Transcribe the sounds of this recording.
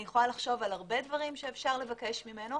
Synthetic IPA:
jeχolalaχʃo̞valaʁbe̞d̪vaʁimʃeːfʃaʁle̞vake̞ʃmime̞no

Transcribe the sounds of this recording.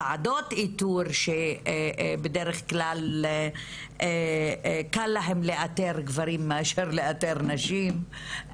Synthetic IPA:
ʕadotituɾʃe | bedeʁeχklal | kalːaɦemleʔateɾɡvaɾimːeaʃeʁleateʁnaʃim

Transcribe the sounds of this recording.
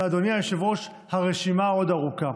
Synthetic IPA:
ad̪onijajeʃevo̞ʃ | haʁeʃimao̞daʁuka

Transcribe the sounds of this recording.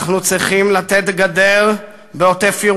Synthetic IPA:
χnut͡sʁiχimlat̪et̪ɡad̪eʁ | beot̪efiʁ

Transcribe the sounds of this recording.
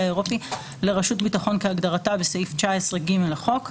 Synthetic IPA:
aeʁo̞pi | le̞ʁaʃutbitaχo̞nkeaɡdaʁatabeseift͡ʃaaesʁeɡimeleχo̞k

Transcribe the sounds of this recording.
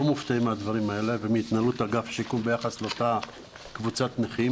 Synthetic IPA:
omuft̪aimead̪vaʁimae̞levemiit̪nalut̪aɡafʃikumbe̞jaχasleota | kvut͡sat̪neχi

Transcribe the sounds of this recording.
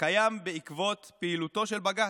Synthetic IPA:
kajambeikvo̞t̪peilut̪o̞ʃelbaɡa

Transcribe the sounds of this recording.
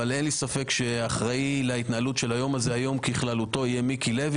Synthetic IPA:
ale̞nlisafe̞kʃe̞aχʁailait̪naalutʃe̞lajo̞maze̞ajo̞mkiχlalut̪o̞ijemikile̞v

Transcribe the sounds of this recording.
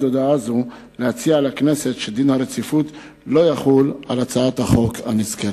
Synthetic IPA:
d̪od̪aazu | lehat͡sialakneset̪ʃed̪inhaɾet͡sifut̪ | lo̞jaχulalat͡saat̪haχo̞khaniskel

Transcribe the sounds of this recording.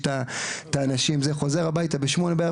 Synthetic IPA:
t̪at̪aːnaʃimzeχo̞ze̞ʁabajt̪abeʃmo̞nebea

